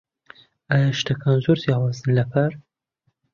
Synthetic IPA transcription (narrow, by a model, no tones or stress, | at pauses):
aːjaʃt̪ʰakʰanzoɾzjɑwɑːzɨnlɐpʰaɾ